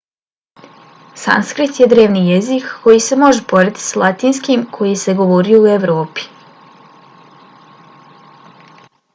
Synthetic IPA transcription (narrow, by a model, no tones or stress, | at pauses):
sa̰nskɾit̪je̞d̪ɾe̞ːʋnijezikːo̞jise̞mo̞ʒepo̞ɾet̪i̥salˠat̪iːnskimkʰo̞jise̞ɡo̞ʋoɾijuue̞ʋɾo̞ːpi̥